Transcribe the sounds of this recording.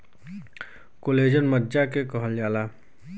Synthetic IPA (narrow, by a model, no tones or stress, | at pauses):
koleːd͡ʒənməd͡ʒakekɔɦəld͡ʒaːlaː